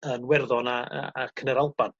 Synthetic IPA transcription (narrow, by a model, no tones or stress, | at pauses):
ənwɛrðɔna̰akʰənəɾalˠb̥an